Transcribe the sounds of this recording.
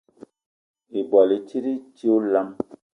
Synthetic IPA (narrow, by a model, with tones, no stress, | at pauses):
i˨bɔ˨li˨t͡ʃi˦ɾi˦t͡ʃi˦o˦la˦m